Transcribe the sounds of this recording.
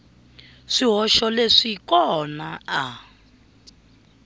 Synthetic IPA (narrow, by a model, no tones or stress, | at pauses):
ʂiɦɔʃɔleʂikɔnaa